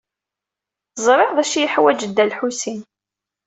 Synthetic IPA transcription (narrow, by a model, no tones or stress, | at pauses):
zˤɾˤeʁðˤæʃijəħwæd͡ʒəd̪ːælħusin